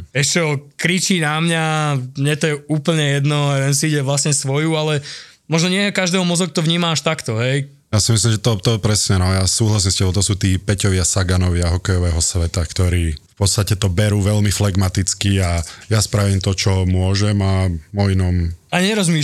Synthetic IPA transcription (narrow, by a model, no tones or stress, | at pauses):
ɛʃɛɔkɾit͡ʃiːnamɲaɲɛt̪ɔjɛuːpl̩ɲɛjɛd̪nɔɾɛnsiːɟɛʋlasɲɛsʋɔjuːalɛ | mɔʒnɔɲɪɛɛkaʒd̪ɛːɦɔmɔzɔk̚t̪ɔʋɲiːmaaʃt̪akt̪ɔɦɛj | jasimislimʒɛt̪ɔt̪ɔpɾɛsɲɛnɔjasuːɦlasiːmscɛbɔmt̪ɔsuːt̪iːpɛcɔʋɪasaɡanɔʋɪaɦɔkɛjɔʋɛːɦɔsʋɛt̪akt̪ɔɾiːfpɔt̪st̪acɛt̪ɔbɛɾuːʋɛʎmiflɛɡmat̪it͡skiajaspɾaʋiːmt̪ɔt͡ʃɔmʊɔʒɛmamɔinɔmaɲɛɾɔzmi